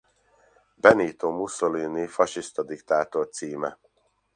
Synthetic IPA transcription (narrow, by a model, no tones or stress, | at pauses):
bɛniːt̪omusoliːnifɒʃist̪ɒd̪ikt̪aːt̪ort̪siːmɛ̰